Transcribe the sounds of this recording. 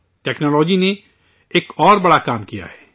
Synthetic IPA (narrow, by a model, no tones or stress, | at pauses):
ʈɛːknɔːlɔːd͡ʒine | eːkɔːɾbɐɽakaːmkija̰ɦɛː